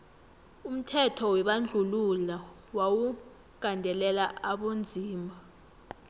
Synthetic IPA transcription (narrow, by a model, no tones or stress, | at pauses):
um̩tʰɛtʰɔwɛɓand͡ɮʱulula | wawu | ɡ̥ʼʱandʱɛlɛlaaɓond͡zʱiːmbʱa